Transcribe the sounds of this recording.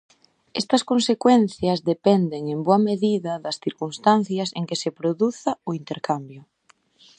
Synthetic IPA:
est̪ɐskonsekwenθjɐzðepɛnd̪eŋemboɐmeðiðɐðɐsθiɾkunst̪an̟θjɐseŋkesepɾoðuθaoint̪eɾkambjʊ

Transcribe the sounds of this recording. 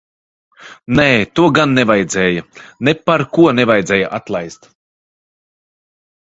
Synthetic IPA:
neːt̪uɔɡanːɛvajd̪zɛːjɐnepaɾkuɔnɛvajd̪zɛːjaʔat̪lˠajst̪

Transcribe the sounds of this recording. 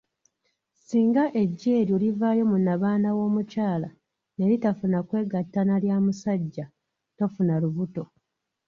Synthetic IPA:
siːŋɡaʔe̞ɟːe̞ːɾiolivaːjo̞munaβaːnawo̞ːmucaːla | ne̞ɾitafunakwe̞ːɡatːanaljaːmusaɟːa | to̞funaluβuto̞

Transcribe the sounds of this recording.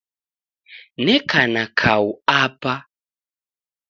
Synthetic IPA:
nɛkʰanakʰauapa

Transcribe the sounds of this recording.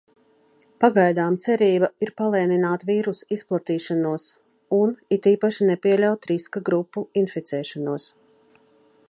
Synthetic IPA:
paɡajd̪aːmt̪sɛɾiːbaiɾpalˠiɛninaːt̪viːɾusisplˠat̪iːʃanuɔs | unit̪iːpaʃinɛpʲiɛlʲawt̪ɾiskaɡɾupːuinfit̪sɛːʃanuɔs

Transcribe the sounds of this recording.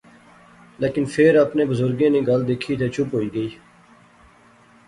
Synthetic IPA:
leːkɪnpʰɪɾəpnẽːbəzʊɾɡẽːnẽːɡəld̪eːkʰiːt̪ʰeːt͡ʃʰʊpɦoːiːɡəiː

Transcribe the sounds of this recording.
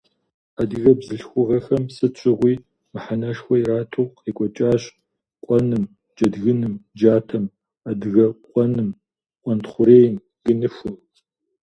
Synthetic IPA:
adɨɣɐbzɨɬxʷʊʁɐxɐmsɨt͡ʃʷʰʼɪʁʷiː | mɨħanɐʂxʷɔjɾaːtʰɨwqeːkʷʼɔt͡ʃʼaːɕ | qʷʼɔnɨm | d͡ʒʼɐdɣɨnɨmd͡ʒaːtʰɐm | adɨɣɐqʷʼɔnɨm | qʷʼɔntχʷʊɾeːjn | ɡ̥ɨnɨfʷʊ

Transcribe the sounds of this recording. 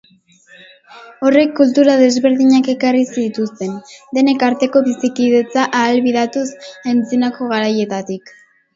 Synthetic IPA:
o̞re̞kːult̪uɾaðe̞zβe̞ɾðiɲake̞karisit̪ust̪e̞nd̪e̞ne̞kaɾt̪e̞ko̞βisikiðe̞t͡saʔaːlβiðat̪usent͡sinako̞ɣ̞aɾaje̞t̪at̪ik

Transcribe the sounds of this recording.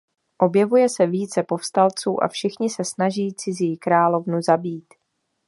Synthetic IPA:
ʔo̞bjɛvujɛsɛviːt͡sɛpo̞fst̪alt͡suːʔa̰fʃɪxɲɪsɛsnaʒiːt͡sɪziːkɾaːlo̞vnuzabiːt̪

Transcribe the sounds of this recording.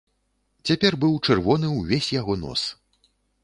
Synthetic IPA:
t͡sʲapʲɛrbɨwt͡ʂɛrvɔnɨwvʲesʲjaɣɔnɔ̰s

